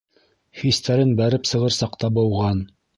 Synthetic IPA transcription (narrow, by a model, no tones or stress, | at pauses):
hist̪æɾɘnbæɾɘpsɤ̆ʁɤ̆ɾsɑqt̪ɑbɤ̆wʁɑn